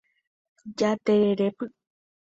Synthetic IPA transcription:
d͡ʒat̪eeɾepɨ

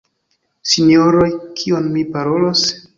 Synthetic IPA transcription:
sinoɾo̞jkʰionmipaɾo̞los

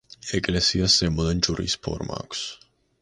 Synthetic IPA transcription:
ɛkʼlɛsiasɛmuðɛnd͡ʒuɾḭspʰɔ̰ɾma̰ks

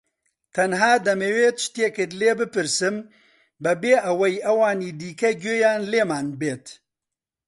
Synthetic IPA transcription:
t̪ʰɐnɦaːd̪ɐmeweːt̪ʃt̪eːkɨɾleːbɨpɨɾsɨm | bɛbeːʔɐwɐjɐwaːniːd̪iːkɐɡøːjaːnleːmaːnbeːt̪

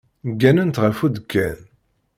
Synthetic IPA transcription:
ɡːænənt̪ʁəfud̪əkʰːæn

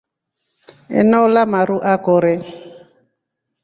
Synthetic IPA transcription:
ɛ̰nɔlamaɾuʔakɔɾɛ

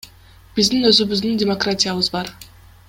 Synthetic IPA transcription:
b̥izd̪inø̞zyβyzd̪yndʲɪmokratʲijaβɯzbɑɾ

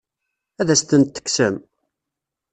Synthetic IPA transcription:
æðæst̪ənt̪ːə̥ksəm

